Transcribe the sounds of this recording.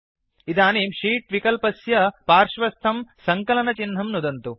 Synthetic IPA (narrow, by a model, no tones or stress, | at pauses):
id̪aːniːmʃiːʈʋikɐlpɐsjɐpaːɾʂʋɐst̪ʰɐmsɐŋkɐlɐnɐt͡ʃinɦɐmnud̪ɐnt̪u